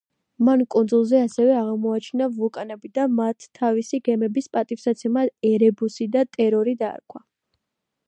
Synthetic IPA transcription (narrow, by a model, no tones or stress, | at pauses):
mankʼund̪zulˠzɛasɛvɛaʁmɔat͡ʃʰinavukʼanɛbid̪amat̪ʰːavisiɡɛmɛbispʼat̪ʼifsat̪sʰɛmaɛɾɛbusid̪at̪ʼɛɾɔɾid̪a̰ːɾkʰwa